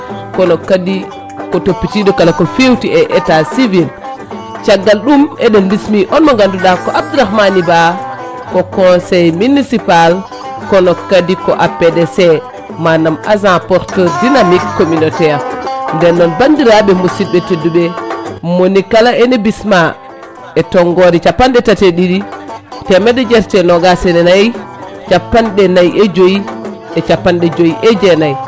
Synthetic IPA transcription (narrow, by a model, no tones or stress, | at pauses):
kɔnɔkːadi | kɔtopːitiɗɔkalakɔfewtiɛʔɛtasivil | t͡ʃaɡːalɗumɛɗɛnbismiʔɔnmɔŋɡanduɗakɔʔab̚d̪uɾahmaniba | kɔkɔ̃sɛjminisipal | kɔnɔkːadikɔʔapːɛdɛsɛ | manamazãpɔɾtɔdinamikːominotɛjandɛnːɔnbandiɾaɓɛmusibɛteduɓɛmonikalaenibisma | ɛtɔŋɡoɾit͡ʃapːanɗɛtateɗiditɛmɛdɛd͡ʒɛɾtɛnɔɡasɛnɛnaj | t͡ʃapːanɗɛnajʔɛd͡ʒoji | ɛt͡ʃapːanɗɛd͡ʒojiʔɛd͡ʒɛnaj